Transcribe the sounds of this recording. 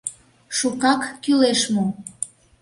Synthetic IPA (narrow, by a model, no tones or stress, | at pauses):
ʃukɑkːyleʃmu